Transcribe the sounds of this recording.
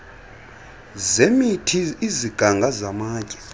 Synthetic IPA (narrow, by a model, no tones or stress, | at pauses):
zemitʰiːziɡ̥ʱaŋɡʱazamaːcʼɛ̥